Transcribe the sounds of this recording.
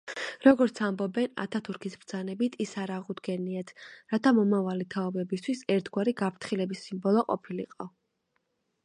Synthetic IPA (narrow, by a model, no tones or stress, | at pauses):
ɾɔɡɔɾt̪sʰambɔbɛna̰t̪ʰat̪ʰuɾkʰisbɾd̪z̥anɛbit̪ʰisaɾaʁud̪ɡɛniat̪ʰɾat̪ʰamɔmavalit̪ʰaɔbɛbist̪ʰwisɛɾt̪ʰɡwaɾiɡapʰɾt̪ʰχilɛbisːimbɔlˠɔqʼɔ̰pʰilḭqʼɔ